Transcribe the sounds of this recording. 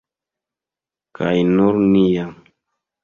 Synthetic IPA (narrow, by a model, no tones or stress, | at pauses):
ka̰jnʊɾnijaŋ